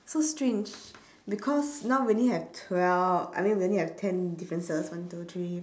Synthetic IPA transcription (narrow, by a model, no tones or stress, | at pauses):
sostɹẽnd͡ʒ | bikʰɔsnaʊwiõlihɛvtʰwɛla̰jmĩnwiõnliɛvtʰɛ̃ndifɹə̃nsəswãntutɹi